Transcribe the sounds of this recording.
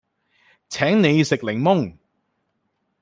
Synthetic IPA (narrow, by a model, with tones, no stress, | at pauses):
t͡sʰɛː˨˥ŋne˨˧jsɪ˨k̚lɪ˨˩ŋmʊ˥ŋ